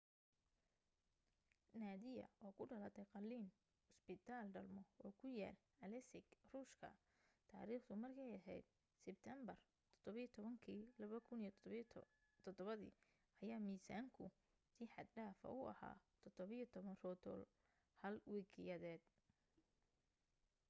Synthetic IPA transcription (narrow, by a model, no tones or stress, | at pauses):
naːd̪ɪjɐ̰ʔɔːkʰʊɖɐlɐt̪ʰɛqɑlːiːn | ʊsbɪt̪ʰaːlɖɐlmɔɔːkʰʊja̰ːl | ɐlɛsɪɡruːʃkʰɐ̰ | t̪ʰa̰ːɾiːχt̪ʰʊmɐrkʰɛjɐɦɛ̰jd̪̚ | sɪb̚t̪ʰɛmbɐr | t̪ʰɔd̪̥ɔβɐijɔt̪ʰɔβɐŋkʰiːlɐβɐkʰʊnij | t̪ʰɔd̪ɔβɐðḭː | ɐjaːmiːsaːŋkʰʊ | siːħɑd̪ɖaːfɐ̰ʊʔɐ̰ha̰ːt̪ʰɔd̪̥ɔβɪjɔt̪ʰɔβɐnrɔːt̪ʰɔ̰ːl | hɐlwiːkʰɪjɐðɛːd̪